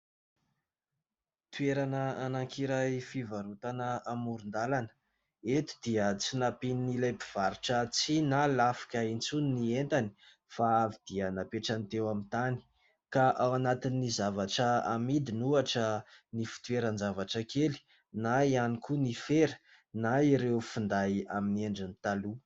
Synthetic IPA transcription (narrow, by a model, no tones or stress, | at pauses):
t̪ueɾanəanaŋkiɾajfivaɾut̪anəamuɾund̪alanə̥ | et̪u̥d̪iət͡sinapininilajpiv̥aɾiʈ͡ʂət͡sinalafi̥kʲaint͡suninient̪ani̥ | faavid̪̥iənapeʈ͡ʂant̪ewamint̪ani̥ | kaʔawanat̪inːizavaʈ͡ʂəamid̪inuaʈ͡ʂənifi̥t̪ueɾənzavaʈ͡ʂəkʰeli̥ | naianikʰunifeɾə̥ | naiɾewfund̪ajaminieɳɖ͡ʐinit̪alu